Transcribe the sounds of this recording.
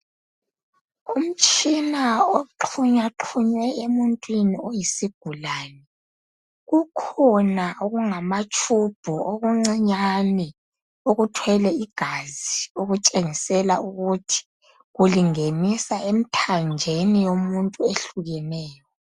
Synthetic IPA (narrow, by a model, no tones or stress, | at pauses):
um̩t͡ʃʼinaoǃʰuɲaǃʰuɲwɛemuntʼwiniojisiɡ̥ʱulaːnɛ | ɣukʰɔnaʔoɣuŋamat͡ʃʼub̥ʱuoɣuŋ͡ǀiɲanɛ | oɣutʰwɛlɛiɡ̥ʱazioɣut͡ʃʼeŋisɛlauɣutʰi̥ | ɣuliŋenisaem̩tʰand͡ʒʱenijomuntʼueɬuɣɛnɛːjɔ